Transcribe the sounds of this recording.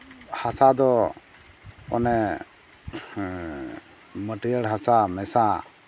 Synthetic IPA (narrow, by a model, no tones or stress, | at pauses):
hasad̪ɔ | ɔ̰nɛ | məʈijəɽɦasamɛsa